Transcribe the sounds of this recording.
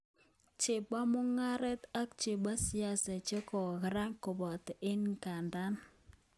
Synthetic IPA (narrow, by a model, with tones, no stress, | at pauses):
t͡ʃɪ˨ba˦mʊ˦ŋa˦ɾɛ˦ta˦k̚t͡ʃɪ˨ba˦si˦a˦sɛ˨t͡ʃe˦kɔ˨ɣɪ˨˦ɾa˦ŋkɔ˨bɔ˨tʔɪ˦nka˨nda˦n